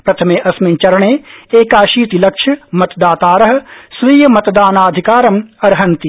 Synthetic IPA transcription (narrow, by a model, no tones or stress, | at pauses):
pɾɐt̪ʰɐmeːʔɐsment͡ʃɐɾɐɳeːeːkaːʃiːt̪ilɐkʃʰɐmɐt̪d̪aːt̪aːɾɐɦ̆sʋiːjɐmɐt̪d̪aːnaːd̪ʱikaːɾɐmɐɾɦɐnt̪i